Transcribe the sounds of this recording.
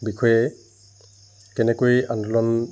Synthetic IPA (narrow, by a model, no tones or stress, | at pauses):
bikʰɔjɛ | kɛnɛkojandɔlɔn